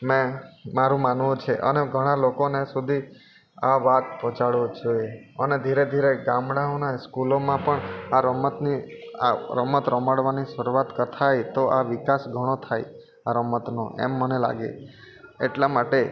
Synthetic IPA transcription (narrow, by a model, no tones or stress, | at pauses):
mɛ̃maɾũmanʋũt͡ʃʰeʔə̰neɡʱəɽ̃alokonesud̪ʱi | aʋat̪̚pɔ̃t͡ʃaɽʋod͡ʒoeəned̪ʱiɾed̪ʱiɾeɡãmɽãõnaskulomãpəɳaɾəmət̪nia̰ɾəmət̪ɾəmaɽʋaniʃəɾuʋat̪kət̪ʰajt̪oʔaʋɪkasɡʱəɽ̃ot̪ʰaj | aɾəmət̪no̰ʔḛmːənela̰ɡḛ | ḛʈlamaʈe